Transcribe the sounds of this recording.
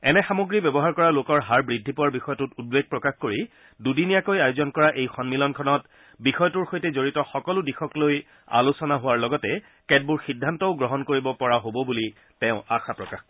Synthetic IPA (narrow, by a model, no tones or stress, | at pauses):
ɛnɛxamoɡɹibjɛbɔɦaɹkɔɹalokɔɹɦaɹbɹidʱːipɔaɹbixɔjɔtutud̚beɡ̚pɹɔkaxkoɹi | dudinijakojajozɔnkɔɹaʔejxɔnmilɔnkʰɔnɔt | bixɔjɔtuɹxojtɛzoɹitɔxɔkɔlʊdixɔkloj | a̰lusɔnaɦʊwaɹlɔɡɔtɛ | kɛd̚buɹxidʱːantɔʊɡɹɔɦɔnkoɹibɔpɔɹaɦobɔbuli | tɛ̃ʊ̃axapɹɔkax